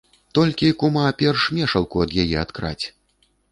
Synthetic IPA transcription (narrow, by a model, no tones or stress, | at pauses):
t̪ɔlʲkʲikumapʲɛrʂmʲɛʂɐlˠkuɐd̪jajɛɐt̪kɾa̰t͡sʲ